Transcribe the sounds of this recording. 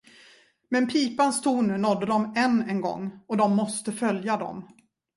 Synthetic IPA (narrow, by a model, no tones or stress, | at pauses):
mɛnpʰiːpanst̪ʰuːnɵnɔd̪ːəd̪ɔmɛnːɛnɡɔ̰ŋːɔd̪ɔmːɔst̪əfœljad̪ɔ̰m